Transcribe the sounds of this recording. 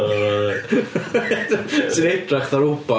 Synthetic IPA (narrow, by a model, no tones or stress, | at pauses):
sɨnɛdraχðaɾʊba